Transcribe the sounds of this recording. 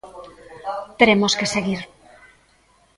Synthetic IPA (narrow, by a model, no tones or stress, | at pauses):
t̪eɾemoskeseɣiɾ